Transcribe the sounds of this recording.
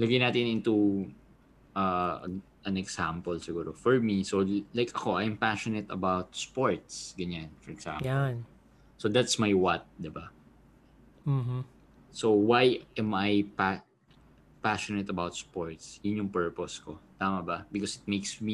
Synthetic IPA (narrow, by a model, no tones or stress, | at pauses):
lɐɡɐjnaːt̪ɪnʔɪnt̪u | ʔɐ̰ | ʔɐnɛɡsampɛlsɪɡuːɾofɔɹmisolajkʔɐko̞ʔajmpaʃɔnɛt̪ɐbawt̪̚spoɹt̪sɡɐɲanfɔɹɛɡ̥sa̰mjɔ | sod̪at̪smajwat̪̚d̪ɪba | sowajʔɛmʔajpa | paʃɔnɛt̪ɐbawt̪̚spoɹt̪sjʊnjʊŋpɛɹpɔskot̪aːmɐbɐbɪkɔsɪt̪̚mejksmi